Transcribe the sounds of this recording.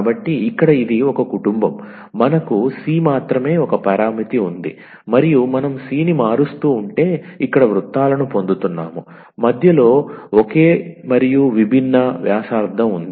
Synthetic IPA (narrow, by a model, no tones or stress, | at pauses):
bɐʈːiːkːɐɽɐid̪iɔkɐkuʈumbɐmː | ɐnɐkusiːmaːt̪ɾɐme̞ːɔkɐpɐɾaːmit̪iund̪ḭ | mɐɾijumɐnɐmsiːnimaːɾust̪uːɳʈe̞ːikːɐɽɐʋɾut̪ːaːlɐnupo̞nd̪ut̪unːa̰ːmu | mɐd̪ʱjɐlo̞ːoke̞ːmɐɾijuʋibʱinːɐʋjaːʂaːɾd̪ʱːɐmund̪i